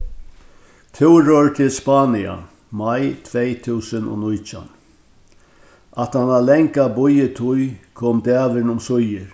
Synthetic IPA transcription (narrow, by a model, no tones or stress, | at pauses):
t̪ʰɪwɾɔɹt̪ʰɪlspaːnia̰ | majt̪ʰvɛjt̪ʰuːsənɔ̰ːnʊjt͡ʃa̰n | at̪hanalɛŋkabʊjət̪ʰʊjkʰoːmd̪æːʋɪnʊmsʊjɪɾ